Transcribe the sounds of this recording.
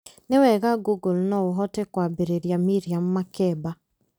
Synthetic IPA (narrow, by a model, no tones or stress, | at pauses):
newɛɣaɡuɡulnɔoɦɔtɛkwabeɾeɾjamiɾiam̩ːakɛba